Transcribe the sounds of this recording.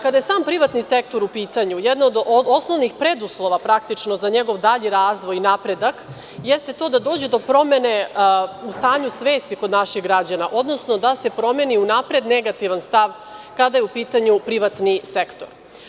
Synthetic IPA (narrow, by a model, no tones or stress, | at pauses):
kad̪ajesaːmpɾiʋat̪nise̞kt̪o̞ɾupiːt̪aɲujed̪nood̪o̞sno̞ʋnixpɾed̪uslˠo̞ʋapɾakt̪it͡ʃno̞zaɲe̞ɡo̞ʋd̪aʎiɾaːzʋo̞jinapɾe̞d̪ak | jest̪e̞t̪o̞ːd̪ad̪o̞ːd͡ʑed̪o̞pɾo̞me̞ne̞ust̪aːɲusʋe̞ːst̪ikod̪naʃiɣɡɾad͡ʑanaʔo̞d̪no̞sno̞d̪ase̞pɾo̞me̞niunapɾe̞d̪ne̞ɡat̪iʋanst̪aʋ | kad̪ajeupiːt̪aɲupɾiʋat̪nisekt̪o̞̰ɾ